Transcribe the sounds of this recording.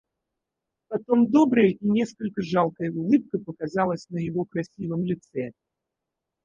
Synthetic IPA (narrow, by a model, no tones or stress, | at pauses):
pɐt̪o̞md̪o̞bɾəjəinʲe̞skəlʲkəʐalˠkəjəʊlˠɨp̚kəpəkɐzalˠəsʲnəjɪvo̞kɾɐsʲivəmlʲɪt̪sɛ